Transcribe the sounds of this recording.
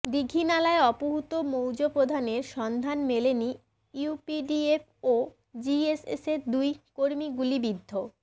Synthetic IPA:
d̪iɡʱːinalaeɔpoɦut̪omowd͡ʑopɾod̪ʱaneɾʃɔnd̪ʱanmeleni | upiɖief | o | d͡ʑiesḛseɾd̪ujkoɾmiɡulibid̪ʱːo

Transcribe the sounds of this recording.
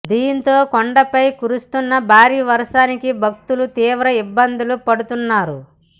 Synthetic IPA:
d̪iːnt̪o̞ːkoɳɖɐpɐjkuɾust̪unːɐbʱaːɾiːʋɐɾɐʂaːnikibʱɐk̚t̪ulut̪iːʋɾɐibːɐnd̪ulupɐɽut̪unːaːɾu

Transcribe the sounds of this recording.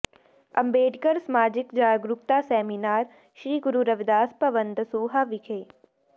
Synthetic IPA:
ɐ̰̃mbeːɖkəɾsmaːd͡ʒɪkd͡ʒaːɡɾuk̚t̪asɛːminaːɾ | ʃɾiːɡʊɾuɾɐʋɪd̪aːspɐʋənd̪suːɦaʋɪkʰeː

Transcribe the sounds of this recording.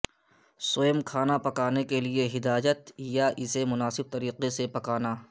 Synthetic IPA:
soɪmkʰaːnapɐkaːnekelieɦɪd̪aːd͡ʒət̪jaʔɪsemʊnaːsɪb̚t̪ɐɾiːqesepɐkaːnaː

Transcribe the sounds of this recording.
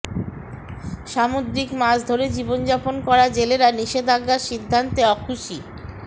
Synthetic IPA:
ʃamod̪ɾikmad͡ʑd̪ʱoɾed͡ʑibond͡ʑaponkɔɾad͡ʑeleɾaniʃed̪ʱaɡːaɾʃid̪ʱːant̪eɔkʰuʃi

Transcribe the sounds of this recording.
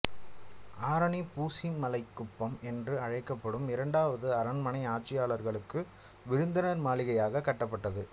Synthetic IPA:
aːɾɐɳipuːsimɐlɐɪkːʊpːɐmɛndrɯɐɻɐɪkːɐpːɐɽɯmɪɾɐɳɖaːʋɐðɯɐɾɐɳmɐnɐɪaːʈ̚t͡ʃːɪjaːɭɐɾɣɐɭɯkːɯ | ʋɪɾɯnd̪ɐnɐɾmaːlɪɣɐjaːɣɐkːɐʈːɐpːɐʈːɐðɯ

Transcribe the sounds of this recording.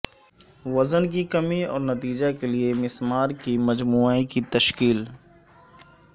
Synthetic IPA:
ʋɐzənk̬ikɐmiɔ̰ːɾnɐt̪iːd͡ʒakeliemɪsmaːɾkimɐd͡ʒmuːaːikit̪ɐʃkiːl

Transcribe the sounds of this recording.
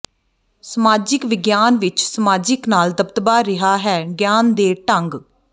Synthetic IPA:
səmaːd͡ʒɪkʋɪɡjaːnʋɪt͡ʃsəmaːd͡ʒɪknaːld̪əbt̪baːɾɪɦaːɦɛːɡjaːnd̪eːʈəŋɡ

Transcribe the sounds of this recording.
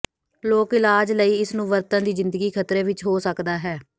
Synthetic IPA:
loːkɪlaːd͡ʒləiːɪsnũːʋəɾt̪ə̃ːd̪iːzɪ̃nd̪əɡiːkʰət̪ɾeːʋɪt͡ʃɦoːsəkd̪aːɦɛː

